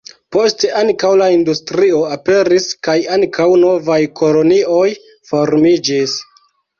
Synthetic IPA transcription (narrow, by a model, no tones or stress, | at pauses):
po̞ste̞ʔaŋkawlaindustɾio̞ape̞ɾiskajaŋkʰawno̞vajkʰo̞lo̞nio̞j | fo̞ɾmid͡ʒis